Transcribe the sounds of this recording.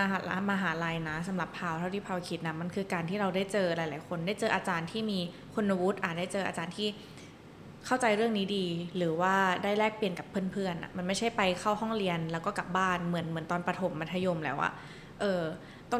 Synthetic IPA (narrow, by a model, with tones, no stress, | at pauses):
a˧ɦa˨˩a˧maː˧ɦaː˩˦laː˧jna˦˥sa˩˦mɾa˨˩pʰːaː˧˩wt̪ʰa˥˩t̪ʰiː˥˩pʰaː˧wkʰi˨˦˥t̪̚na˦˥ma˧nkʰɯː˧kaː˧nt̪ʰiː˥˩ɾa˧wdaː˥˩jt͡ɕɤː˧la˨˩˦jlaː˩˦jkʰo˧ndaː˥˩jt͡ɕɤː˧ʔaː˧t͡ɕaː˧nt̪ʰiː˥˩miː˧ | kʰo˧nːa˧wu˦˥t̪̚ʔaː˨˩t̪̚daː˥˩t͡ɕɤː˧ʔa̰ː˧t͡ɕaː˧nt̪ʰiː˥˩ | kʰa˥˩wt͡ɕa˧jɾɯ˥˩əŋniː˦˥diː˧ɾɯː˩˦waː˥˩daː˥˩jlɛː˥˩k̚pli˨˧ənka˨˩pʰːɯ˥˩ənpʰɯ˥˩ənʔa̰˧˩ʔma˧nma˥˩jt͡ɕʰa˥˩jpa˧jkʰa˥˩whɔ˥˩ŋɾi˧ənlɛ˦˥wkɔː˥˩ka˨˩p̚baː˥˩nmɯ˩˦ənmɯ˩˦nt̪ɔː˧npa˧t̪ʰo˨˩˦mːa˧nt̪ʰa˧jo˧mlɛː˨˦˥wʔa̰˧˩ | ʔɤː˧ | t̪ɔ˥˩